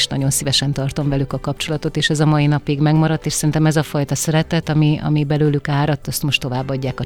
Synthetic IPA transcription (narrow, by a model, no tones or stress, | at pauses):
ʃnɒ̰ɟo̞nsivɛʃɛnt̪ɒrt̪o̞mvɛlykɒkɒp̚t͡ʃo̞lɒt̪o̞t̪eːʃɛzɒmɒinɒpiɡmɛɡmɒɾɒt̪ːeːʃsɛɾint̪ɛmɛzɒfɒjt̪ɒsɛɾɛt̪ɛt̪ɒmiɒ̰mibɛløːlykaːɾɒt̪ːɒst̪mo̞ʃt̪o̞vaːbːɒɟːaːkɒ